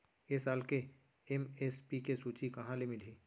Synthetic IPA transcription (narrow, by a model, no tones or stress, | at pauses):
esaːlke | emespikesuːt͡ʃikɐɦãlemɪliː